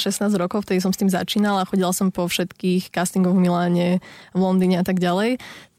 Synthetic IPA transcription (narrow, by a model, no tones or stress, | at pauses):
ʃɛsnaːzɟɾɔkɔʊft̪ɛd̪is̬ɔmst̪iːmza̰t͡ʃiːnalaxɔɟilasɔmpɔfʃɛt̪kiːxkast̪iŋɡɔʊvmilaːɲɛʋlɔnd̪iːɲɛat̪aɡɟalɛj